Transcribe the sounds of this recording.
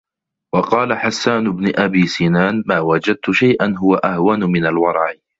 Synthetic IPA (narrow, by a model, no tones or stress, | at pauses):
wɑqɑːlaħasːaːnʊbnʊʔabiːsiːnaːnmaːwad͡ʒad̪̚t̪ʊʃajʔanɦʊwaʔahwanmɪnalwɑɾˤɑʕ